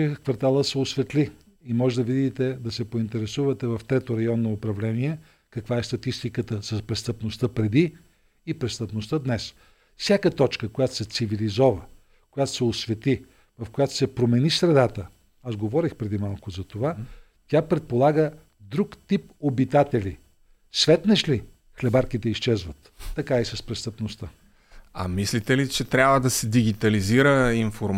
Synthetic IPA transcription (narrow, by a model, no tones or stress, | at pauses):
kvɐɾt̪alˠəsɛosvɛt̪li | imɔʒɛd̪əvid̪it̪ɛd̪ɐsɛpoint̪ɛɾɛsuvɐt̪ɛvɐft̪ɾɛt̪oɾɐjɔnːoːpɾɐvlɛniɛ | kɐkvaɛst̪ɐt̪ist̪ikət̪əsɐspɾɛst̪əpnost̪əpɾɛd̪iː | pɾɛst̪əpnost̪əd̪nɛs | fsʲjakət̪ɔt͡ʃkəkojat̪o̥sɛt̪sivilizɔvə | kojat̪o̥sɛoʊsvɛt̪i | vɐfkojat̪o̥sɛpɾomɛnisɾɛd̪at̪ə | azɡovɔɾixpɾɛd̪imalˠkʊzɐt̪ova | t̪ʲapɾɛt̪̚polˠaɡə | d̪ɾukt̪ipobit̪at̪ɛli | svɛt̪nɛʃli | xlɛbaɾkit̪ɛiʃt͡ʃɛzvət̪ːɐkaisɐspɾɛst̪əpnost̪ə | ɐ̰mislit̪ɛlit͡ʃɛt̪ɾʲabvəd̪ɐsɛd̪iɡit̪ɐliziɾəinfoɾ